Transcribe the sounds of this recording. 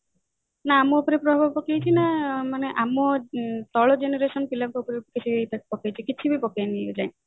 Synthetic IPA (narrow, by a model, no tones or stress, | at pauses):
naːmɔopɔɾepɾɔbʱabʱɔpɔkejt͡ʃʰinamaneʔamɔt̪ɔɭɔd͡ʒeneɾesɔnpilaŋkɔopɔɾekit͡ʃʰibejpakpɔkajt͡ʃʰikit͡ʃʰibipɔkajnid͡ʒa̰j̃